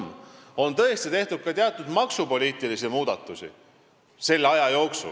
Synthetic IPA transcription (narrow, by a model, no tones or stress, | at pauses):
mo̞nt̪ɤ̞est̪it̪e̞ht̪ud̪̥̚kɑt̪eɑt̪ːˑud̪̥mɑksupo̞lʲiːt̪ˑilisimuːd̪̥ɑt̪ːˑusḭ | se̞lːɑjɑjo̞ːksṵ